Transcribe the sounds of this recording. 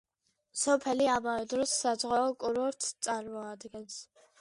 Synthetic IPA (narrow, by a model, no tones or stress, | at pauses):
sɔpʰɛliamavɛd̪ɾɔsːazʁaːkʼuɾɔɾt̪ʰt͡s̪ʼaɾmɔad̪ɡɛns